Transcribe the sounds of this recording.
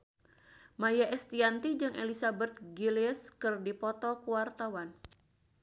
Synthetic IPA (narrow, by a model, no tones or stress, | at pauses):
majaʔɛst̪iant̪id͡ʒɨŋʔḛlisabɛt̪̚ɡiliəskɨrdipɔt̪ɔkuwart̪awan